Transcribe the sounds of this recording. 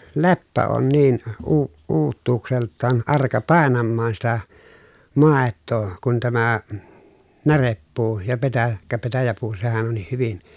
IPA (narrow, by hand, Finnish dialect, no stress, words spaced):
lepːæ oːn niːn uː uːtːuːkseltːɑːn ɑrkɑ pɑˑenɑmːɑːn sitæ mɑˑetːoː kun tæmæ nærepːuː jɑ petæ kæ petæjæpuː sehæn onːih hyʋin